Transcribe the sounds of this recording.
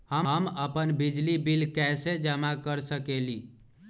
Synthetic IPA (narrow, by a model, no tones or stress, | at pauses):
həəməpənbid͡ʒlibilkɛjsed͡ʒəmakəɾsəkeli